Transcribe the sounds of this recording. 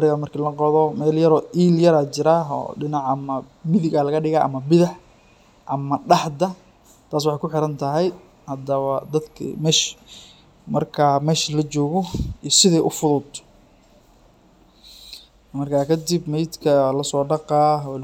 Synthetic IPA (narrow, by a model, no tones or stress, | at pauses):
ɾɪɣɐmɐrkʰiːlɐqɔðɔmɛːljɐɾɔːʔiːljɐɾaːt͡ʃɪɾaɦɔ̰ːɖɪnɑʕɐmɐ | mɪðɪɣaːlɐɣɐɖɪɣaːʔɐ̰mɐbɪðɐħ | ʔɐmɐɖɑħd̪ɐ | t̪ʰaːs̬wɑħɑjkʊħɪɾɐnt̪ʰɐɦɛj | hɐd̪ɐβɐd̪ɐd̪kʰḭmɛːʃ | mɐrkʰaːmɛːʃlɐt͡ʃɔːɣɔiːsɪðɛjʔʊfʊðʊd̪ | mɐrkʰaːkʰɐd̪ɪbmɛjd̪kʰɐlɐsɔːɖɑqɑːɔ